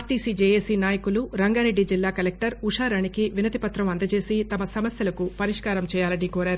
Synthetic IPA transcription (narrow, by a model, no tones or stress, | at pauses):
ʈiːsid͡ʒeːjeːsinaːjɐkuluɾɐŋɡaːɾe̞ɖːid͡ʒilːaːkɐlek̚ʈɐɾuʂaːɾɐɳikiʋinɐt̪ipɐt̪ɾɐmɐnd̪ɐt͡ʃe̞ːsit̪ɐmɐsɐmɐsjɐlɐkupɐɾiʂkaːɾɐmt͡ʃɛːjaːlɐnikoːɾaːɾu